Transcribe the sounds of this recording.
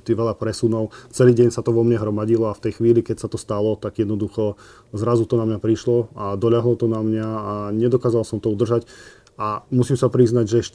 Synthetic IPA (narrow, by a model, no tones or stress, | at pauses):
t̪iʋɛʎapɾɛsunɔʊt͡sɛliːɟɛɲsat̪ɔʋɔmɲɛɦɾɔmaɟilɔaft̪ɛjxʋiːlikɛcsat̪ɔst̪alɔt̪aɡjɛd̪nɔd̪uxɔ | zɾazut̪ɔnamɲapɾiʃlɔad̪ɔʎaɦlɔt̪ɔnamɲaːɲɛd̪ɔkaːzalsɔmt̪ɔud̪r̩ʒac | amusimsapɾiznaɟʒɛɛʃ